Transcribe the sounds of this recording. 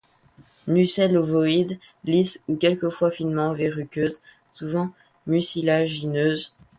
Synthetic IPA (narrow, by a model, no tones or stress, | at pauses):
nysɛlovɔid̪ | lisukʲɛlkəfwafinmɑ̃veʁykʲøz | suvɑ̃ | mysilaʒinøːz